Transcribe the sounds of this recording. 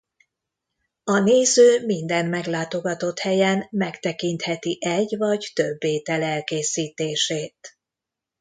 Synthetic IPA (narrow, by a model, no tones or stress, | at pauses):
ɒneːzøːmind̪ɛnmɛɡlaːt̪o̞ɡɒt̪o̞t̪hɛjɛnmɛkt̪ɛkint̪hɛt̪iʔɛɟvɒɟt̪øbːeːt̪ɛlɛlkeːsiːt̪eːʃeːt̪